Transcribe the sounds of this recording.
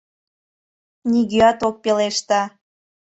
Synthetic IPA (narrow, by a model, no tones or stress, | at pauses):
niɣiɑt̪ok̚peleʃt̪ɑ